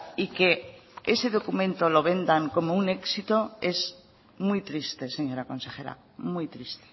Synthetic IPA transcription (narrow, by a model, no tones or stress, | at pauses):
ike̞eseðo̞kumẽ̞nt̪o̞lo̞βẽ̞nd̪aŋko̞moune̞ksit̪o̞e̞z | mwujt̪ɾist̪e̞se̞ɲo̞ɾako̞nse̞xe̞ɾa̰ | mujt̪ɾist̪e̥